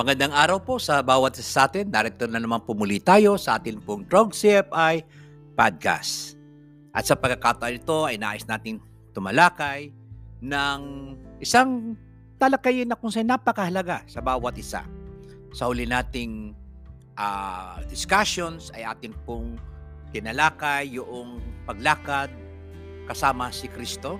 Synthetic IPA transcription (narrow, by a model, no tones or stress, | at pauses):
mɐɡɐnd̪aŋaːɾɐwposɐbaːwɐt̪ʔɪsḁsɐʔaːt̪ɪnd̪aɾɛt̪ːonɐnɐmanpʊmʊlit̪aːjo̞sɐʔaːt̪ɪnpʊŋd̪ɾoɡsɪpʔaj | pad̪̚ka̰st | ʔɐ̰t̪sɐpɐɡkːɐkat̪ɐʔalɪt̪o̞ʔɐjna̰ːʔɪsnaːt̪ɪŋ | t̪ʊmɐlaːkɐj | nɐŋʔɪsaŋ | t̪ɐlɐkajɪnːɐkʊŋsanapɐkɐhɐlɐɡasɐbaːwɐt̪ʔɪsa̰ | sɐhʊlɪnaːt̪ɪŋ | ʔad̪ɪskaʃonsɐ̰jʔa̰ːt̪ɪnpʊŋ | t̪ɪnɐlaːkɐjːʊʔoŋpɐɡ̚laːkɐd̪̚ | kɐsaːmɐsɪkɾist̪o̞